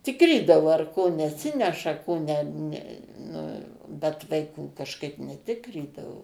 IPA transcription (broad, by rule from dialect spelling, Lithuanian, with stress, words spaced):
ˈtʲɪkrʲiːdɐʋoː ɐr ˈkoː nʲɛˈsʲɪnʲɛʃɐ ˈkoː nʲɛ ˈnʲɛ ˈnʊ bʲɛt ʋɐɪˈkuː kɐʃˈkɐɪp nʲɛˈtʲɪkrʲiːdɐʋoː